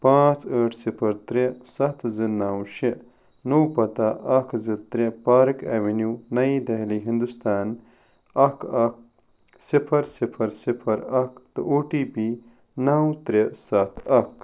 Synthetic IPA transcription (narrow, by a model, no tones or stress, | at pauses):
pãːt͡səːʈʰsipʰɐɾt̪ɾesɐt̪zɨnawʃi | nowpɐt̪aʔɐkzɨt̪ɾepaːɾɨkeʋinjuːnɐid̪ɐɦliːɦind̪ust̪aːn | ɐkɐk̚ | sipʰɐɾsipʰɐɾsipʰɐɾɐkt̪ɨʔoːʈiːbiː | naːwt̪ɾesɐt̪ʰɐk